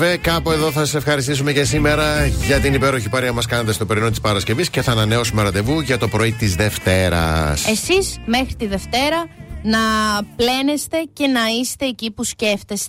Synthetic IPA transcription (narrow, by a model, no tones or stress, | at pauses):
vekɐpoe̞ðo̞θɐsɐsefxɐɾist̪isume̞ce̞sime̞ɾɐʝɐt̪inipe̞ɾoçipɐɾiɐmɐskɐnnt̪est̪o̞peɾino̞t̪ispɐɾɐsce̞visce̞θɐːnɐne̞o̞sumeɾɐt̪e̞vuʝɐt̪o̞pɾo̞it̪izðe̞ft̪e̞ɾɐ̰se̞sizme̞xɾit̪iðe̞ft̪e̞ɾɐnɐple̞nest̪e̞ce̞nɐist̪e̞ːcipusce̞ft̪est̪e